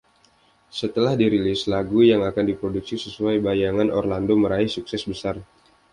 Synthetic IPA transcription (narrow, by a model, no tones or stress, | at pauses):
sət̪əlahdiɾilɪslaɡujaŋakandipɾoduksisəsuajbajaŋanʔɔrlandoməɾaihsuksɛsbəsar